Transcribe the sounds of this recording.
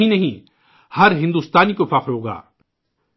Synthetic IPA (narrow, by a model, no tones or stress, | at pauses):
ĩnɐɦĩ | hɐɾɦɪ̃nd̪uːst̪aːnikofɐqɾɦoːɡa̰ː